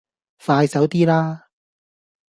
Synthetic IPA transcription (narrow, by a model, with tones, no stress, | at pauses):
faː˧jsɐ˨˥wt̪iː˥laː˥